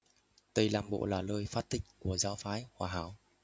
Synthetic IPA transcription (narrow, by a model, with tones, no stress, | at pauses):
t̪ə˨˩jlaː˨˩mɓo̰˧˨laː˨˩ləː˧jfaː˦˥t̚t̪ï˨˩ŋ̟̚ku˧˩əzaː˨˦wfaː˨˦jhwaː˧˩ɦaː˨˦w